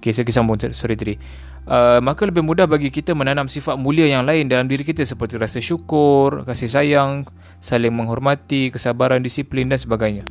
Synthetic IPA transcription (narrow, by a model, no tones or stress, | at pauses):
okesəkisambʊŋsɔɾit̪ɾi | ʔəmakaləbɪhmudahbaɡikit̪amənanamsifat̪̚mũliajaŋlaɪndalamdiɾikit̪əsəpərt̪iɾasaʃukʊrkasɪhsajaŋ | salɪŋməŋɦɔrmat̪ikəsabaɾandisiplɪndansəbaɡajɲa